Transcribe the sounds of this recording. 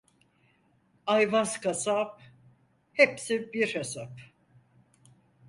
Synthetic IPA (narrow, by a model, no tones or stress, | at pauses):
ajvazkasap̚ | hepsibiɾhesap